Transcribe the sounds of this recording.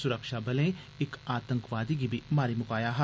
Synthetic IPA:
sʊɾəkʃabɐlẽ | ɪkaːt̪ə̃ŋkʋaːd̪ik̬ibʱimaːɾimʊkaːjaɦa

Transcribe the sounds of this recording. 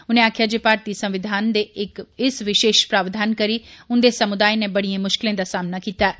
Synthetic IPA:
ʊnẽaːkʰjad͡ʒepaːɾt̪isɐ̃mʋɪd̪ʱaːnd̪eɪkɪsʋɪʃeːʃpɾaːʋd̪ʱaːnkɐɾiʊnd̪esɐmʊd̪aːjnẽbɐɽ̤iẽmʊʃkɪlẽd̪asaːmnakiːt̪aɛ

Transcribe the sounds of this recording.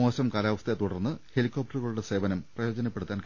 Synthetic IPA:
o̞ːɕɐmkaːlaːʋɐst̪et̪uɽɐrnːɨhe̞likʲːop̚ʈːɐruɣɐɭuɽe̞se̞ːʋɐnɐmprɐjo̞ːd͡ʑɐnɐpːe̞ɽut̪ːaːnk

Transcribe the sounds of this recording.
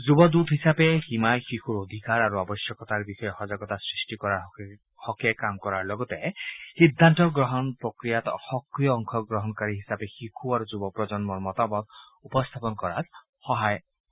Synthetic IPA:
zubɔd̪ut̪ɦisapɛximajxixuɹod̪ʱikaɹaɹuabɔsjɔkɔt̪aɹbixɔjɔxɔzaɡɔt̪asɹisʈikɔɹaɹ | hɔkɛkamkɔɹaɹlɔɡɔt̪ɛxid̪ʱːantɔɡɹɔɦɔnpɹokɹijat̪xɔkɹijɔːŋkʰɔɡɹɔɦɔnkaɹiɦisapɛxixʰuaɹuzubɔpɹɔzɔnmɔɹmɔt̪amɔt̪ | upɔst̪ʰapɔnkɔɹa̰t | xɔɦaj

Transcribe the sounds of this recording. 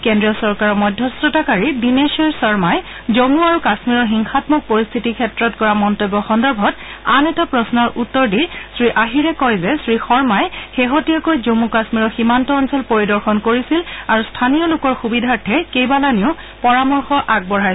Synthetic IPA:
kendɹiɔsɔɹkaɹɔmɔjdʱjɔsɹɔtakaɹidineʃeɹsɔɹmaj | zomuaɹukasmiɹɔɹxiŋxatmɔk̚poɹist̪ʰitikʰɛtɹɔtkɔɹamɔntobːɔxɔndɔɹbʱɔt | anɛtapɹɔsnɔɹʔutːɔɹdisɹiʔaɦiɹɛkɔjzɛsɹixɔɹmajxeɦotijakojzomukasmiɹɔɹximantɔːnsɛlpoɹidɔɹxɔnkoɹisilaɹustʰanijɔlʊkɔɹxubidʱaɹtʰɛkejbalaniʊ | pɔɹamɔɹxɔʔaɡ̚bɔɹɦa

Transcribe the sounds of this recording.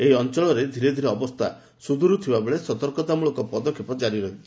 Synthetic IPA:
eiɔnt͡ʃɔɭɔɾed̪ʱiɾed̪ʱiɾeɔbɔst̪ʰa̰ | sud̪ʱuɾut̪ʰibabeɭesɔt̪ɔɾkɔt̪amuɭɔkɔpɔd̪ɔkʰːepɔd͡ʒaɾiɾɔɦii̥

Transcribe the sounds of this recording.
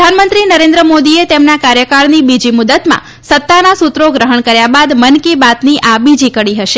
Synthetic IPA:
d̪ʱanmənt̪ɾinəɾẽnd̪ɾəmod̪iet̪emnakaɾjəkaɾnibid͡ʒimʊd̪ət̪mã̰ | sət̪ːanasut̪ɾoɡɾəɦəɳkəɾjabad̪mənkibat̪niʔabid͡ʒikəɽiɦəʃe

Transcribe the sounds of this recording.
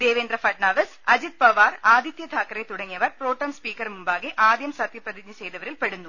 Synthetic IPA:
d̪eːʋeːnd̪rɐfɐʈnaːʋɐsɐd͡ʑit̪̚pɐʋaːraːd̪ʱjit̪jɐd̪ʱaːkːɐɾet̪uɽɐŋːijɐʋɐrpro̞ːʈːɐmspiːkːɐɾmumbaːɣeʔaːd̪jɐmsɐt̪jɐprɐðiɲːɐsejðɐʋɐɾilpeɽunːu

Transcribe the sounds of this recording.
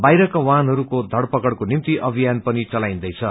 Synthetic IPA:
bajɾʌkawanɦʌɾukod̪ʱʌɽpʌkʌɽkonimt̪iʔʌbʱijanpʌnit͡sʌlaj̃nd̪ʌjt͡sʰʌ

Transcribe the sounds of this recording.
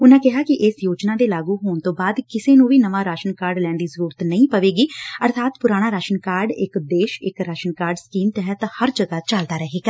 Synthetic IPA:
ʊnãːkɪɦaːkɪʔɪsjoːd͡ʒnaːd̪eːlaːɡuːɦoːɳt̪õːbaːd̪kɪseːnũːʋiːnəʋãːɾaːʃənkaːɾɖlɛ̃ːnd̪iːsəɾuːɾət̪nəĩːpəʋeːɡiːəɾt̪ʰaːt̪pʊɾaːɽ̃aːɾaːʃənkaːɾɖɪkd̪eːʃɪkɾaːʃənkaːɾɖskiːmt̪ɛɦət̪həɾd͡ʒəɡaːt͡ʃəld̪aːɾəɦeːɡaː

